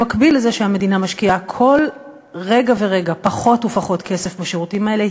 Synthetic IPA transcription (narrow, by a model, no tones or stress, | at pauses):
makbilezeʃehame̞dinamaʃkiakʰo̞l | ʁe̞ɡaveʁe̞ɡapaχo̞tufaχo̞tkʰe̞sefbeʃeʁutimaele